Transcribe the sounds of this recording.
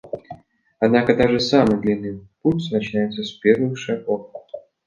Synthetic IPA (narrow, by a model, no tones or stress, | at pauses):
ɐd̪nakəd̪aʐɨsamɨjd̪lʲinːɨjpusʲnɐt͡ɕɪnajɪt̪səsʲpʲervɨxʂɨpok